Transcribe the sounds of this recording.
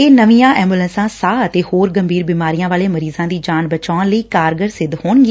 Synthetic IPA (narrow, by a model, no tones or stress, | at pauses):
eːnəʋijãːʔɛːmbulənsãːsaːət̪eːhoːɾɡəmbʱiːɾbiːmaːɾijãːʋaːleːməɾiːzãːd̪iːd͡ʒaːnbət͡ʃaːnləiːkaːɾɡəɾsɪd̪hoːɳɡi